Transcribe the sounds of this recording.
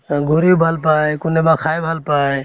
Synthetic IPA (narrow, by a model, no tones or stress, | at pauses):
ɡʱuɾibʱəlpaekunemãkʰajbʱəlpae